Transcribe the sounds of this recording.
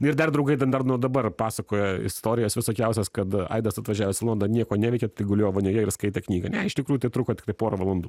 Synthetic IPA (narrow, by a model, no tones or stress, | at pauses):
nɪɾd̪ɐrd̪ɾɐʊɡɐɪt̪ʲɐnd̪ɐrnuːd̪ɐbɐrpɑːsɐkoːjɛɪ̰st̪oːɾʲɪjɛːsʋʲɪsoːkʲɛʊsʲɛskɐt̪ɐ̰ɪd̪ɐsɐt̪ʋɐʒʲæːʋʲɛsɪlˠoːnd̪ɐnʲiɛkoːnʲæːʋʲɛɪkʲɛt̪ɐɪɡʊlʲoːjʋɐnʲoːjɛɪrskɐɪt̪ʲɛːknʲiːɡɐnʲɛɪʃt̪ʲɪkɾuːjʊt̪ɐɪt̪ɾuːkotʲɪ̥kt̪ɐɪpoːɾɐʋɐlˠɐnd̪uː